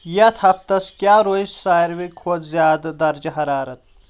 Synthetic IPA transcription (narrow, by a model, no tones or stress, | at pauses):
jɐt̪ʰɐp̚t̪ɐskjaːɾoːjssaːjɾʋikʰoːzjaːd̪d̪ɐɾd͡ʒɐɦɐɾaːɾɐt̪̚ʰ